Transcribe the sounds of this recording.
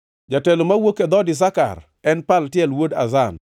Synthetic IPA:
d͡ʒatɛlomawoked̪ɔdɪs̬aka̰r | ɛnpaltjɛlwoda̰zan

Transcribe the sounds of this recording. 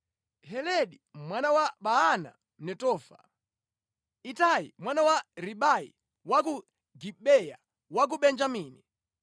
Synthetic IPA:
hɛlɛɗimwanawaɓaana̰ | m̩nɛtɔːfa̰ | itajḭmwanawaɾiɓajḭ | wak̬u | ɡiɓɛja̰ | wak̬uɓɛnd͡ʒamiːni

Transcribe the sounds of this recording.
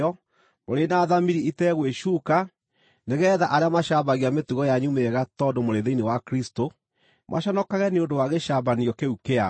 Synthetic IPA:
ɔ | moɾenaðamiɾiitɛɣweʃuka | neɣɛːðaʔaɾeamaʃaβaɣiametuɣɔjaɲumeɣatɔːdomoɾeðeinewakɾisto | mʔa̰ʃanɔkaɣɛneondowaɣeʃabaniɔkeukea

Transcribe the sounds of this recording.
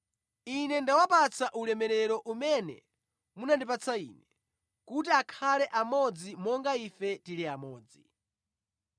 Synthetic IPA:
inɛndawapat͡sʰaʔulɛmɛɾɛɾɔʔumɛnɛ̰ | munandip̬at͡sʰaḭːnɛ | kutiakʰalɛʔamɔd͡zimɔŋɡaifɛtiliamɔːd͡zi

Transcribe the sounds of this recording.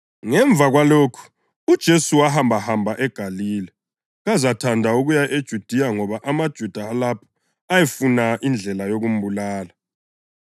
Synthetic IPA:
ŋɛɱb̪vʱaɣwaloːkʰu̥ | ud̥ʒ̥ʱesuwahambʱahambʱaʔɛɡ̥ʱaliːlɛ | ɣazatʰandʱauɣujaʔed̥ʒ̥ʱud̥ʱijaŋɔβaʔamad̥ʒ̥ʱud̥ʱaːlapʰɔ̥ | ajefunaʔind͡ɮʱɛlajoɣum̩bulaːla

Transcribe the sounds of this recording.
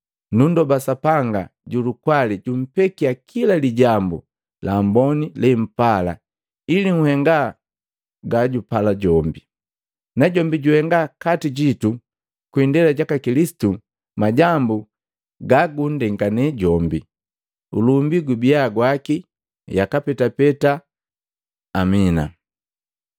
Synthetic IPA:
nundɔbasapaŋɡaɟulukwaliɟum̩pɛkiakʰilaliɟambṵ | lambɔnilɛm̩pala̰ | iliŋ̩hɛŋɡa | ɡaɟupalaɟɔmbi | naɟɔmbiɟuhɛŋɡakatiɟitu | kwindɛlaɟakakilisi̥tu | maɟambu | ɡaɡundɛŋɡanɛɟɔmbi | ṵlumbiɡubiaɡwaki | jakapɛtapɛta | mina̰

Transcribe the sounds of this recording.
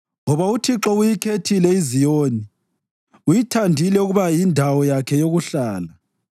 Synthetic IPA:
ŋɔβautʰiǁɔujikʰetʰilɛizijoːni | ujitʰandʱilɛuɣuβajindʱawɔjakʰɛjoɣuɬaːla

